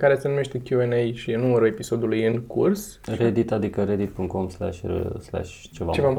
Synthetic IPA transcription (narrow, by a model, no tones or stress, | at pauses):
kaɾe̞senume̞ʃt̪e̞kʲjuenejʃinuməɾue̞piso̞d̪ulujɨŋkurs | red̪it̪ad̪ikəɾed̪it̪̚pɨŋk̪komsla̰ʃʲsla̰ʃ | t͡ʃevat͡ʃeva